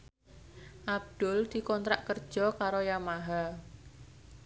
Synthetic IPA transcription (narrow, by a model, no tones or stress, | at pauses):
ʔab̚d̪̥ʊld̪̥i̤kɔnt̪ɾaʔkərd̥ʒ̥ɔkaɾojamaɦa